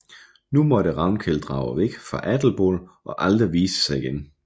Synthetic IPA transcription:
numɒ̽ɾ̥əʁɑ̈ʊnkʰeld̥ʁɑ̰̈ʊəʋeɡ̥fʁɑ̈ʔæd̥l̩b̥o̰ːlʔɒ̽ʔɑld̥ʁiʋiːsə̥sɑ̈ɪiɡ̥en

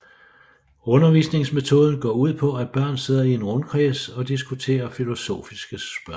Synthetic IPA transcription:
ɔ̽nɐʋiːsne̝ŋsme̝t͡sʰo̝ːð̞ˠn̩ɡ̥ɒ̰ːuð̰ˠpʰɒ̽æb̥ɶɐ̰nse̝ð̞̰ˠɐie̝nʁɔ̽nkʰʁɛːsɒ̽d̥isɡ̥ut͡sʰe̝̰ːɐfilo̝so̝̰ːfisɡ̥əsb̥ɶ

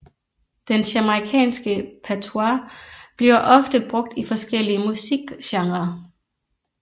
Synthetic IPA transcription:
d̥enɕæməʁikʰɛ̰ːnsɡ̥əpʰæt͡sʰoɑb̥liɐʔɒ̽fd̥əb̥ʁɔɡ̥̚d̥ifɒ̽sɡ̥el̰iəmusiɡ̥ɕɑ̈ŋʁɐ

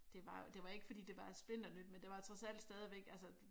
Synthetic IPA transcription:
d̥e̝ʋɑ̈jod̥e̝ʋɑ̈e̝ɡ̥əfɒd̥ḭːd̥e̝ʋɑ̥̈sb̥le̝n̰d̥ɒnyd̥mend̥e̝ʋɑ̈et͡sʰʁɐsæl̰d̥sd̥ɛːð̞ˠiʋeɡ̥ælsə

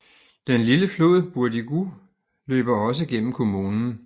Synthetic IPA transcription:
d̥enliləflo̝̰ð̰ˠb̥uɐd̥iɡ̥u | lø̰ːb̥ɐɒ̽s̬əɡ̥en̰m̩kʰo̝muːnn̩

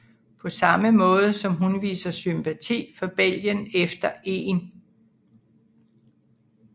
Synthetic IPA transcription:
pʰɒ̽sɑ̈məmɔ̽ːð̞ˠəsɒ̽mɦunʋḭːsɐsympʰæt͡sʰḭːfɒ̽b̥el̰ɡjənefd̥ɐe̝̰ːn

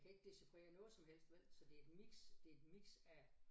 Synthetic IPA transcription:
kʰæe̝ɡ̥əd̥e̝sipʰʁḛːɐnɔ̽ːð̩ˠsɒ̽mɦel̰sd̥ʋel̰sɒ̽d̥e̝ed̥miɡ̥sd̥e̝ed̥miɡ̥sæ

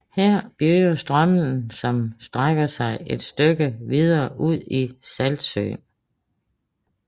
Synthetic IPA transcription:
heɐ̰b̥jyːɐsd̥ʁɶməl̩n̩sɒ̽msd̥ʁaɡ̥ɐsɑ̈ɪed̥sd̥øɡ̥əʋið̞ˠɐːʔuð̞̰ˠisæld̥sø̰ːn

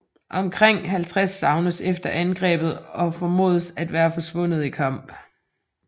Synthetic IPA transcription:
ʔɒ̽mkʰʁeŋ̰ɦælt͡sʰʁasːɑ̈ʊnəsefd̥ɐʔænɡ̥ʁɛ̰ːb̥ð̩ˠɒ̽fɒmo̝̰ːð̞ˠəsæd̥ʋæːɐfɒ̽sʋɔ̽n̰ð̞̩ˠikʰɑ̈m̰b̥

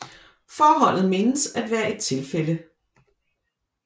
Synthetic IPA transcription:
fɒːɦɒ̽l̰ð̩ˠme̝nəsæd̥ʋæːɐe̝d̥̚t͡sʰe̝lfelə

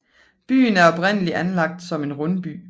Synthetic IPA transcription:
b̥y̰ːnæɐɒ̽b̥ʁen̰əliʔænlɑ̈ɡ̥̚d̥sɒ̽me̝nʁɔnb̥y̰ː

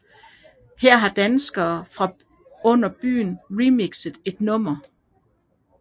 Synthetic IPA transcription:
hɛɐ̰ɦɑ̈d̥ænsɡ̥ɐːfʁɑ̈ | ɔ̽n̰ɐb̥y̰ːn̩ʁimiɡ̥səð̩ˠe̝d̥nɔ̽m̰ɐ

